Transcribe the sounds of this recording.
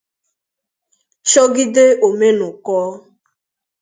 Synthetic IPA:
t͡ʃɔ˦ɡɪ˦de˦o˨me˦nʊ˨kɔː˦

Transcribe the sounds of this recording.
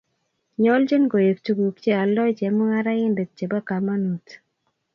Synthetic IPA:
ɲɔ˦ld͡ʒe˦nɡo˨je˨ktu˨ɡu˨kt͡ʃe˦a˨lɔ˦d͡ʒɛ˨mʊ˦ŋa˦ɾa˦ɪ˦nde˨t̚t͡ʃe˨ba˦ka˨ma˦nu˨t

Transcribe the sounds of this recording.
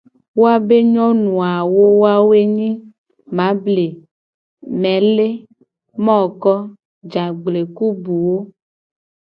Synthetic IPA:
wo˦a˦be˦ɲɔ̃˦nũ˨a˨wo˦wo˦a˦wo˦e˦ɲĩ˦ | mã˨˦ble˨ | mɛ̃˨le˦ | mɔ̃˦˨kɔ˦ | d͡ʒa˨ɡ͡ble˨ku˦bu˨wo˦

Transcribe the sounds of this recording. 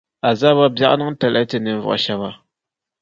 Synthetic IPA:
a˨za˦ba˦bja˦ʔnɨ˦ŋ˦tɛ˨la˦tɨ˨nɨ˨˦vɔ̰˨ʔʃa˦ba˦

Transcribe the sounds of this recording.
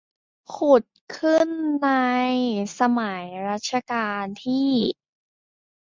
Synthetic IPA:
kʰu˨˩t̪̚kʰɯ˥˩nːa˧jsa˧ma˩˦jɾa˦˥t̪̚t͡ɕʰa˧kaː˧nt̪ʰiː˥˩

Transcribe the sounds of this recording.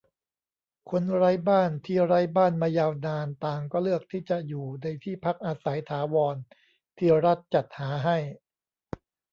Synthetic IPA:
kʰo˧nɾa˦˥jbaː˥˩nt̪ʰiː˥˩ɾa˦˥jbaː˥˩nmaː˧jaː˧wnaː˧nt̪aː˨˩ŋkɔː˥˩lɯ˥˩ək̚t̪ʰiː˥˩t͡ɕa˨˩ʔjuː˨˩na˧jt̪ʰiː˥˩pʰa˦˥k̚ʔaː˧sa˩˦jt̪ʰaː˩˦wɔː˧n | t̪ʰiː˥˩ɾa˦˥t̪̚t͡ɕa˨˩t̪̚haː˩˦ɦa˥˩j

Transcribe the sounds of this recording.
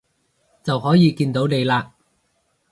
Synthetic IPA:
t͡sɐ˨whɔː˨˥jiː˨˧kiː˧nt̪o˨˥wne˨˧jlaː˧

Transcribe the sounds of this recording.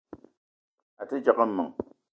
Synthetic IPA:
a˨tɨ˦d͡ʒa˨kə˦mːɨ˨ŋ

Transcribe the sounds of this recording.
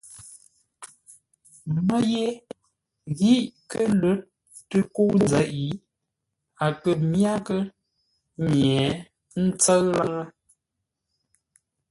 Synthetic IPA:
mə˦je˦ | ɣi˦˨ʔkə˦lə˦t̚ | tə˦ko˦wn˦d͡zə˨˦ʔi˨˦ | a˨kə˨mja˦kə˦ | ɲjɛ˨˦ | n̩˦t͡sə˦ɰla˦ŋə˦

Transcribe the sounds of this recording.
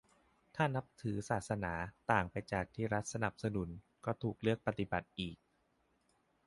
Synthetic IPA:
t̪ʰaː˥˩na˦˥p̚t̪ʰɯː˩˦saː˨˩t̪̚sa˧naː˩˦t̪aː˨˩ŋpa˧jt͡ɕaː˨˩k̚t̪ʰiː˥˩ɾa˦˥t̪̚sa˧na˨˩p̚sa˧nu˩˦n | kɔː˥˩t̪ʰuː˨˩k̚lɯ˥˩ək̚pa˧t̪i˨˩ba˨˩t̪̚ʔiː˨˩k̚

